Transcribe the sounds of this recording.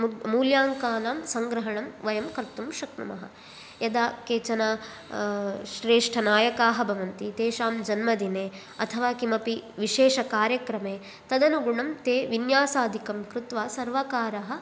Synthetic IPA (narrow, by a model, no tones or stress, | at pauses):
muːljaːŋkaːnaːmsɐŋɡɾɐɦɐɳɐmʋɐjɐmkɐɾt̪umʃɐknumɐ̰ɦɐ̰ | jɐd̪aːkeːt͡ʃɐnaː | ʃɾeːʂʈʰɐnaːjɐkaːɦɐbʱɐʋɐnt̪it̪eːʃaːmd͡ʒɐnmɐd̪ineː | ɐt̪ʰɐʋaːkimɐpiʋiʃeːʃɐkaːɾjɐkɾɐmeː | t̪ɐd̪ɐnuɡuɳɐmt̪eːʋinjaːsaːd̪ʱikɐmkɾut̪ʋaːsɐɾʋakaːɾɐɦɐ̆